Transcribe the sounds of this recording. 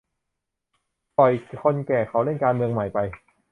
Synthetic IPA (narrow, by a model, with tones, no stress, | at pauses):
pɔ˨˩jkʰo˧nkɛː˨˩kʰa˦˥wɾe˥˩nkaː˧nmɯ˧əŋma˨˩jpa˧j